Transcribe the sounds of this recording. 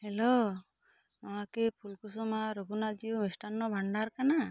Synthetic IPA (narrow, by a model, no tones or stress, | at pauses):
hɛlo | amakepʰulkus̬ɔmaɾɔɡunad͡ʒiumisʈanːɔbʱaɳɖaɾkana